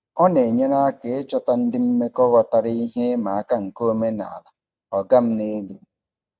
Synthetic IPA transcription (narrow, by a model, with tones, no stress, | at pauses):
ɔ˦ne˨ɲe˦na˦ke˨e˦t͡ʃɔ˦ta˦n̩˦dɪ˦m̩˦me˦kɔ˦wɔ˨ta˨ɾi˦ɦe˦ma˨a˦˨ka˦ŋ̩˨ko˦me˦na̰˨a˨la˨ | ɔ˨ɡa˦m̩˦ne˦du˦